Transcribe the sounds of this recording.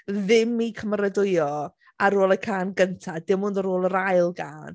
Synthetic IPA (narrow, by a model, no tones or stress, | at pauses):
ðɪmikʰəməɾədʊjɔ | aɾoːlˠəkʰaːnɡəntʰadɪmʊndəɾoːlˠəɾajlˠɡaːn